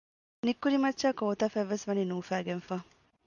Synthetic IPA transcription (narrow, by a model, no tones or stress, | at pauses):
nikːuɾimɐtːʃaːkoːt̪ɐfæʋːesʋɐninuːfæːɡenfaː